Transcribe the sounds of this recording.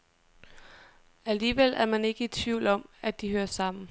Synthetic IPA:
æliːʋel̰æɐmæne̝ɡ̥əi̥t͡sʰʋiʊlɒ̽mæd̥ihøːɐsɑ̈m̰n̩

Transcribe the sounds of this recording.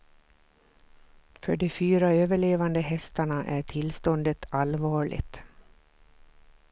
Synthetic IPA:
fœɖɔfyːɾaøːvəɭeːvand̪əɦɛst̪aɳaʔæʈʰɪlst̪ɔnd̪ət̪ʰalvɑːɭɪ̰t̪

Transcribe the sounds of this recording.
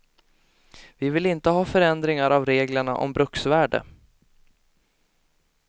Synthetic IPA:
vɪvɪlɪnt̪əɦɑːfœɾɛnd̪ɾɪŋaɾavɾeːɡləɳaʔɔ̰mbɾɵksvæːɖə̰

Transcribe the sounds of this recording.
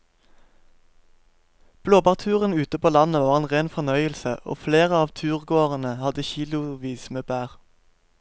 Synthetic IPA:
b̥loːbɑːʁt̪ʰʉːʁənʉːt̪əpoːlɑnəʋɑːʁeːnʁeːnfɔʁnœʏəlsəʔo̰ːfleːʁəɑːʋt̪ʰʉːʁɡoːʁənəhɑd̪əçiːlʊʋiːsmeːbæːʁ

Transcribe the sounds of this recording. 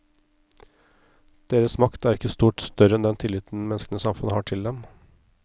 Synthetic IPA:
d̪̥eːɾəsmɑkt̪æɾɪkːəst̪uːʈst̪œɾəɛnd̪ɛnt̪ʰɪlɪt̪n̩mɛnskənəsɑmfʉnhɑːʈʰɪld̪ɛm

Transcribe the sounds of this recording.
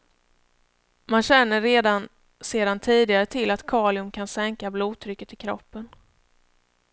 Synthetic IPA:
manɕɛnːəɾːeːd̪an | seːd̪ant̪ʰiːd̪ɪɡaɾət̪ʰɪlːat̪kʰɑːlɪɵmkʰansɛŋkabluːt̪ʰɾʏkːət̪ʰːɪkʰɾɔpːən

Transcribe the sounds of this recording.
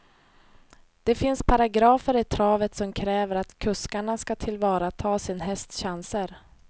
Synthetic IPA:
d̪̥ɛfɪnspʰaɾaɡɾɑːfəɾɪt̪ʰɾɑːvət̪sɔmkʰɾɛːvəɾat̪kʰɵskaɳaskat̪ʰɪlvɑːɾat̪ʰɑːsɪnɦɛst̪ɕansəɾ

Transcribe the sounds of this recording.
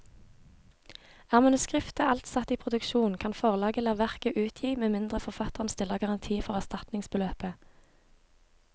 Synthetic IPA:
æːʁmɑnʉskʁɪft̪əʔɑlt̪sɑt̪iːpʰʁʊd̪ʉkʃuːnkʰɑnfɔʁlɑːɡəlɑːʋæʁkəʔʉːt̪ʰjiːmeːmɪnd̪ʁəfɔʁfɑt̪əʁnst̪ɪləɡɑʁɑnt̪ʰiːfɔʁæʁst̪ɑt̪nɪŋsbəløːpə

